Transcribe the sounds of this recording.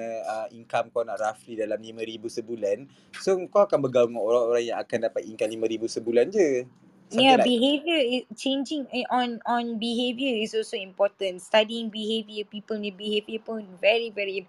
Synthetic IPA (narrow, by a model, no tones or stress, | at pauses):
iŋkamkawnaʔraflidalamlimə̃ɾibusəbulan | sokawakanbəɡauŋanoɾaŋoɾaŋjãŋakandapat̪̚iŋkat̪̚limãɾibusəbuland͡ʒə | sabiɦevjəit͡ʃẽnd͡ʒɪ̃ŋʔɔ̃nɔ̃nbiɦevjəisɔlsoĩmpɔtə̃nstadiĩŋbihevjəpipəlmĩbihevjəpʊ̃nvɛɹivɛɹi